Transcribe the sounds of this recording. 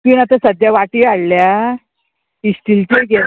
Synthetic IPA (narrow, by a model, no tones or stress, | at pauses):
kinat̪asəd̪ʱjaʋaʈiːaɽlja | isʈ̪ilt̪eɡe